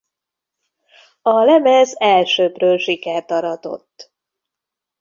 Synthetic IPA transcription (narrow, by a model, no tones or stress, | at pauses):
ɒlɛmɛzɛlʃøːbrøːlʃikɛrt̪ɒɾɒd̪o̞̰t̪ː